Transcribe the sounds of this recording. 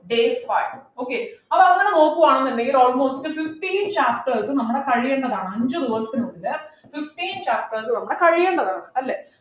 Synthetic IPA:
ɖeːsfajoːkːeɐpːɐɐŋːɐneno̞ːkːuʋaːɳenːenɖeŋɡilo̞ːlmo̞ːstɨfifʈiːnt͡ɕaːp̚ʈɐɾsɨnɐmːɐɽe̞kɐɻijeɳɖɐðaːɳɐmɐɲd͡ʑoðuʋɐsʈːɨnokːilːɐ | fifʈiːnt͡ɕaːp̚ʈɐɾs̬ɨnɐmːɐɽe̞kɐɻijeːɳɖɐðaːɳɐmɐlːeː

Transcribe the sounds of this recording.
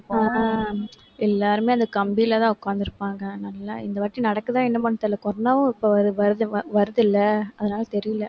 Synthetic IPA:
ɛlːaːɾɯmeːɐnd̪ɐkɐmbilɐt̪ãːʊkːaːnd̪ɪɾɯpːaːŋɡɐnɐlːa̰ɪ̰nd̪ɐʋɐːʈːinɐɽɐkːɯt̪ãːɪnːɐpɐɳːɯt̪ːɪlːɐkɔɾnːɐʋʊ̃ɪpːoːɐɾɯʋɐɾɯðɯʋɐɾɯðɯlːɐɐðɐnaːlɐt̪ɛɾɪjɪlɐ

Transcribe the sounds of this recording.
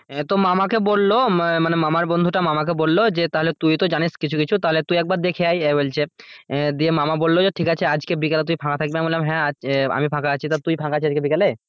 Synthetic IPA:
t̪omamak̬ebolːomanemamaɾbond̪ʱuʈamamak̬ebolːod͡ʑet̪aɦolet̪ujt̪od͡ʑaniʃkit͡ɕʰukit͡ɕʰut̪aɦolet̪ujɛk̚baɾd̪ekʰeajɛbolt͡ɕʰed̪iemamabolːod͡ʑeʈʰikat͡ɕʰead͡ʑkebikalet̪ujpʰãkat̪ʰak̚beabonlelamɦɛ̃aa̰mipʰãkaat͡ɕʰit̪at̪ujpʰãkat͡ɕʰiad͡ʑkebikale

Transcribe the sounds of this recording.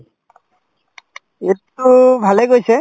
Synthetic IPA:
etubʱaleɡojse

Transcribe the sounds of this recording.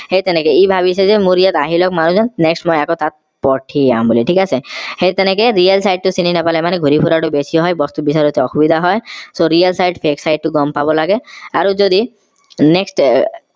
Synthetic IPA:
hejt̪ɛnɛkeibʱaβisʰezemuɾijat̪aɦilɔkmanud͡ʑɔnnɛksʈmɔjakot̪at̪̚ | pɔʈʰia̰mboliʈʰikasʰexejt̪ɛnɛkeɾialsajɖ̚ʈusininapalɛmanɛɡʱuɾipʰuɾaʈubesijɔɦɔjbɔst̪ubisaɾut̪ʰeɔxubid̪ʱaɦɔesoɾialsajɖpʰeksajɖ̚ʈuɡɔmpabɔlaɡeaɾod͡ʒod̪i | nɛksʈ

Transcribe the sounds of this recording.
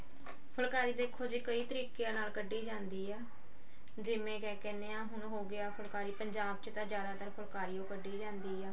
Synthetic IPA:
pʰʊlkaːɾiːd̪eːkʰːoːd͡ʒiːkəiːt̪əɾiːkejãːnaːlkəɖːiːd͡ʒãːnd̪iːɛː | d͡ʒɪmẽːkɛːkɛːnːeːãːɦʊnɦoːɡɪaːpʰʊlkaːɾiːpəɲd͡ʒaːb̚t͡ʃt̪ãːd͡ʒjaːd̪aːt̪əɾpʰʊlkaːɾiːõːkəɖːiːd͡ʒãːnd̪iːɛː

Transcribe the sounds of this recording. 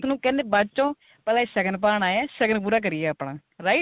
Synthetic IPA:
nũːkɛːneːbat͡ʃõː | pɛːlaːʃəɡənp̬aːɳaːjaːʃəɡənp̬uːɾaːk̬əɾɪjɛːəpɳaː | ɾaːɪ

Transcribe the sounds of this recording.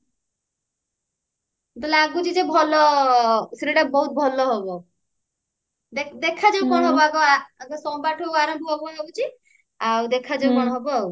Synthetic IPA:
t̪ɔleaɡut͡ʃʰid͡ʒebʱɔlɔ | seɾiʈabɔɦut̪̚bʱɔlɔɦɔbɔ | d̪ed̪ekʰad͡ʒẽɡɔɽ̃ɦɔbɔaɡɔaaɡɔsɔmbaʈʰoaɾɔmbʱɔɦɔbɔɦebut͡ʃʰi | awd̪ekʰad͡ʒewɡɔɽ̃ɔɦɔbɔ

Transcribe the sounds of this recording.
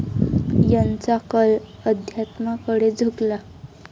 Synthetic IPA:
jant͡sakəl | əd̪ʱjat̪makəɽed͡zʱuɡla

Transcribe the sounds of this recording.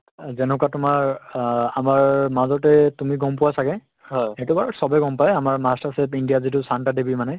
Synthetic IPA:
zɛnɔkatʊmaɹamaɹmazɔtɛtumiɡɔmpʊwasakɛ | ɦɔjɛtʊbaɹɔsɔbɛɡɔmpajamaɹmastasepindijazitʊsantadebimanɛ

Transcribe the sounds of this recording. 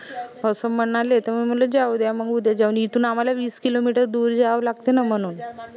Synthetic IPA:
əsəm̤əɳalet̪əɾmim̤ələd͡ʑaʋud̪jaməɡud̪jad͡ʑaʋunit̪uːnamalaʋiːskilomiʈəɾd̪uːɾd͡ʑaaʋlaɡt̪enam̤əɽ̃uːn

